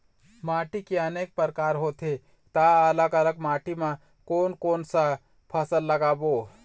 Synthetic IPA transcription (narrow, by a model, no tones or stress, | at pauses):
maːʈikeɐneːk̚pəɾkaːɾɦot̪ʰe | t̪aələkələkmaːʈimã | koːnkoːnsa | pʰəsəlːɐɡaːboː